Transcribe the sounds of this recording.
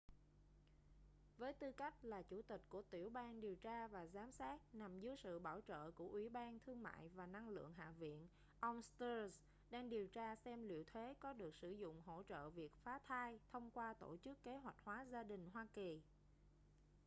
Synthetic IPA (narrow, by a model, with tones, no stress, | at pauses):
vəː˨˦jt̪ɨ˧ka˦˥jk̟̚laː˨˩t͡ɕu˧˩t̪ï˨˩k̟̚ku˧˩ət̪wi˧˩əwɓaː˧nɗi˨˩əwt͡ɕaː˧vaː˨˩zaː˨˦msaː˦˥t̚na˨˩mzɨ˨˦jsɨ̰˧˨ɓaː˧˩wt͡ɕə̰ː˧˨ku˧˩əʔwi˧˩ɓaː˧nt̪ʰɨ˧əŋma̰ː˧˨jvaː˨˩na˧ŋlɨ̰˧˨əŋɦa̰ː˧˨vḭ˧˨ən | ʔə˧wŋ͡mst̪ə˧z | ɗaː˧ŋɗi˨˩əwt͡ɕaː˧sɛ˧mlḭ˧˨əwt̪ʰe˨˦kɔ˨˦ɗɨ˨˩ək̚sɨ˧˩zʊ̰˧˨ŋ͡mɦo̰˧˥t͡ɕə̰ː˧˨vi˨˩ək̚faː˨˦t̪ʰaː˧jt̪ʰə˧wŋ͡mkwaː˧t̪o̰˧˩t͡ɕɨ˦˥kːe˨˦ɦwa˨˩jk̟̚hwaː˨˦zaː˧ɗï˨˩ŋ̟ɦwaː˧ki˨˩